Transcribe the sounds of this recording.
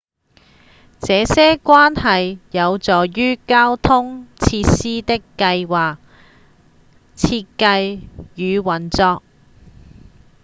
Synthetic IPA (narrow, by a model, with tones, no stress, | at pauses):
t͡sɛː˨˧sɛː˥kwaː˥nɦɐ˨jjɐ˨˧wt͡sɔː˨jyː˥kaː˥wt̪ʰʊ˥ŋt͡sʰiː˧tsiː˥t̪ɪ˥kːɐ˧jwaː˨k̚ | t͡sʰiː˧t̚kɐ˧jjyː˨˧wɐ˨nt͡sɔː˧k̚